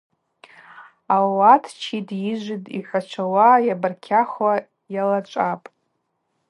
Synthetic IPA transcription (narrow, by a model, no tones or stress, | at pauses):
awatʰt͡ʃʰidjiʒʷɪdḭħʷat͡ʃʷʰawajabarkʲʰaχwa | jalat͡ʃʷʼapʼ